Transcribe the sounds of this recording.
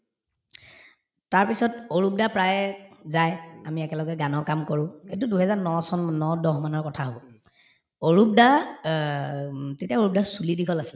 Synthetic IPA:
taɹpisɔtoɹup̚dapɹajzajamiɛkɛlɔɡɛɡanɔɹkamkoɹʊ̃et̬uduɦɛzanɔsɔnnɔdɔɦmanɔɹkɔtʰaɦobɔ | oɹup̚da | tetiaoɹup̚daɹsulidikʰɔlasil

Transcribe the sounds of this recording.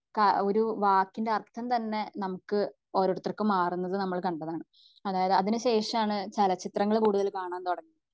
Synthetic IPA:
kɐo̞ɾuʋaːkːindeɐrt̪ʰːɐmt̪ɐnːe̞nɐmukːɨ | oːɾoɽt̪ːrɐkːɨmaːrunːɐðɨnɐmːɐɭkɐɳɖɐðaːɳɨ | ɐðaːjɐðɨɐðinuɕe̞ːʂɐmaːɳɨt͡ɕɐlɐt͡ɕːit̪rɐŋːɐɭkuːɽuðɐlkaːɳaːnt̪oɽɐŋːi

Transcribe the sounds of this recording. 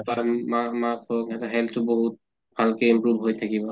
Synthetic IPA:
pamamakʰokɛtaɦɛltʊboɦut̚ | b̥ʱalkeimpɹubʱɦojtʰakibɔ

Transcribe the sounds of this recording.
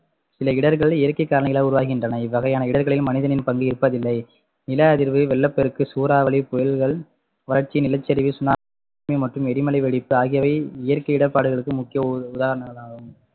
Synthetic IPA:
sɪlɐɪɽɐɾɣɐɭɪjɐɾkɐɪkːaːɾɐɳɐjɪlaːʊɾʊʋaːɣɪndrɐnɐɪʋːɐɣɐjaːnɐɪɽɐɾɣɐɭɪlmɐnɪðɐnɪnpɐŋɡɯɪɾɯpːɐðɪlːɐɪ | nɪlɐɐðɪɾʋɯʋɛlːɐpːɛɾɯkːɯsuːɾaːʋɐɭipɔjɪlɣɐɭ | ʋɐlɐɾt͡ʃːinɪlɐt͡ʃːɐɾɪʋisʊnaː | mɐɪmɐʈrɯmɛɾɪmɐlɐɪʋɛɭɪpːɯaːɣɪjɐʋɐɪɪjɐɾkɐɪɪɽɐpːaːɽɯɣɐɭɯkːɯmʊkːɪjɐʊðaːɣɐnɐɐɭaːɣɯm

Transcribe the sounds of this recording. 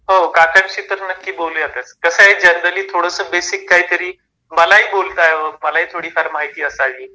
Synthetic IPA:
ɦokakəɳɕiːt̪əɾnəkːiːbolujat̪ət͡skəsəaɦiːd͡ʑənd̪əliːt̪ʰoɽəsəbesikːaɦiːt̪əɾiː | məlaɦiːbolt̪aɦeʋəməlaɦiːt̪ʰoɽiːfʰaɾmaɦit̪iːəsaʋiː

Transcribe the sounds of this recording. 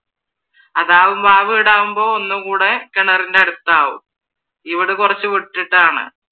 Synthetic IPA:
ɐðaːʋumbaːʋɨiɽaːʋumbo̞ːonːukuːɽekeɳɐrindeɐɽut̪ːaːʋṵm | iʋiɽɨkurɐt͡ɕːɨʋiʈːiʈːaːɳɨ̰

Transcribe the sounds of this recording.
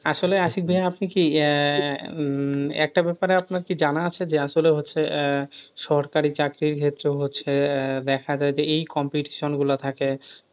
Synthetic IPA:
aʃoleaʃik̚bʱiɦaapniki | ɛ̰k̚ʈabɛpaɾeapnaɾkid͡ʑanaat͡ɕʰed͡ʑeaʃoleɦotːɕʰe | ʃɔɾkaɾit͡ɕakɾiɾkʰet̪ːɾoɦotːɕʰed̪ɛkʰad͡ʑaed͡ʑeejkɔmpiʈi̥ʃonɡulat̪ʰake

